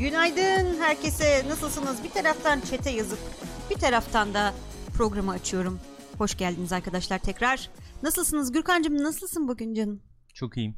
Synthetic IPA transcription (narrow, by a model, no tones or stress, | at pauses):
jynajd̪ɯnɦæɾce̞sɛnasɯlˠslɯnɯzbit̪ʰaɾaft̪ʰant͡ʃʰe̞t̪ʰɛjazɯpb̥it̪ʰaɾaft̪ʰand̪a | pʰɾo̞ɡɾamɯːt͡ʃʰɯjo̞ɾum | ho̞ʃɟælʲd̪inizaɾkʰad̪aʃlˠaɾt̪ʰɛcɾaɾ̥nasɯlˠsɯnɯzɟyɾkand͡ʒɯmɯnasɯlˠsɯnbuɟʲynd͡ʒanɯ | t͡ʃʰo̞kijim